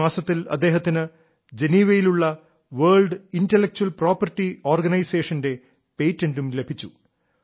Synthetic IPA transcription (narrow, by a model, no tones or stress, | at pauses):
aːsɐt̪ːilɐ̰d̪ːeːɦɐt̪ːinɨ | d͡ʑe̞niːʋɐjiluɭːɐ | ʋɐːɭɖindelːek̚t͡ɕuɐlpro̞ːpːɐrtːio̞ːrɡɐnɐjseːʂɐnde̞ | pe̞jtːɐndumlebʱit͡ɕːu